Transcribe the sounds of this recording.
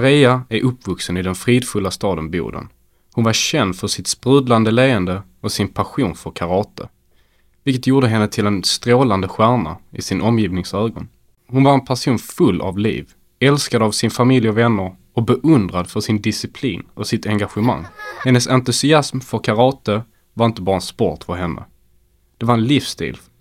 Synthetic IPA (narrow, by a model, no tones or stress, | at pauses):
aɾɛːaæɾʔɵpːvɵksənɪd̪ɛnfɾiːd̪fɵlːast̪ɑːd̪ənbjṵːd̪ə̰n | hʊnvaɾɕɛnd̪fœʂɪt̪spɾʉːd̪land̪əleːənd̪ə | ɔsɪnpʰaɧuːnfœɾkʰaɾɑːt̪ə | vɪlkət̪ʰjuːɖəɦɛnːət̪ʰɪlɛnst̪ɾoːland̪əɧæːɳa̰ɪsɪnʔɔmjiːvnɪŋsøːɡɔ̰n | hʊnvaɾɛnpʰæʂuːnfɵlːʔa̰vlḭːv | ɛlskad̪əavsɪnfamɪljɔvɛnːəɾ | ɔbɛʔɵnd̪ɾad̪fœʂɪnd̪ɪsɪpʰlḭːnɔsɪt̪ɛŋɡaɧəma̰ŋːhɛnːəsant̪ɵsɪasmfœɾkʰaɾɑːt̪ə | vaɾɪnt̪əbɑːɾaɛnspɔt̪fœɾɦɛnːə̰ | d̪̥ɛvaɾɛnlifst̪ḭːl